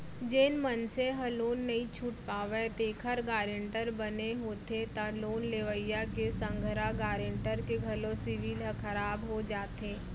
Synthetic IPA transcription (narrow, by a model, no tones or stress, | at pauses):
d͡ʒeːnmənseɦɐloːnːɐɦĩt͡ʃʰuːʈ̚paːʋet̪eːkʰəɾɡaːɾɪɳʈəɾbɐneɦoːt̪et̪aloːnleʋəjakesə̃ŋɡʱɾaɡaːɾɪɳʈəɾkeɡʱɐlosɪʋiːlɦəkʰəɾaːbɦod͡ʒaːt̪eː